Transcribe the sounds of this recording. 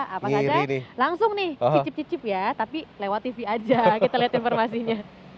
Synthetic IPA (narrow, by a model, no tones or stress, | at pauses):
apaad͡ʒainɪlaŋsʊŋnɪhit͡ʃɪp̚t͡ʃipt͡ʃɪp̚jat̪apilewat̪ːifiad͡ʒak̪iat̪aliɦat̪infɔrmasiɲa